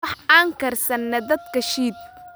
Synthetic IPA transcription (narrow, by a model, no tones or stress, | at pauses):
ɑħaːŋkɐrsɐnːɐd̪ɐd̪kʰɐʃiːd̪̚